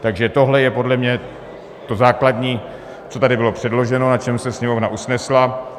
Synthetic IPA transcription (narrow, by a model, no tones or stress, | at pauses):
t̪aɡʒɛt̪o̞ɦlɛjɛpo̞dlɛmɲɛ | t̪o̞zaːkladɲiː | t͡so̞t̪adɪbɪlo̞pr̥ɛdlo̞ʒɛno̞nat͡ʃɛmsɛsɲɛmo̞vnaʔusnɛsla